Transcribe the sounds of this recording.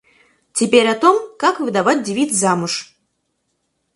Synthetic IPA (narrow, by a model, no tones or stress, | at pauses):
tʲɪpʲeɾʲat̪omkakvɨd̪ɐvat̚ʲdʲɪvʲit̪szamɨʂ